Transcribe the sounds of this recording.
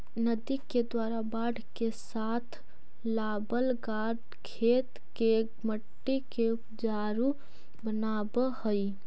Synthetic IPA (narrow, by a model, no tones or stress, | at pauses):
nəd̪iked̪waːɾabaːɖʱkes | aːt̪ʰ | laːbəlɡaːɖ | kʰeːt̪ | ke | məʈːikeʊpd͡ʒaːɾu | bənaːbəhəi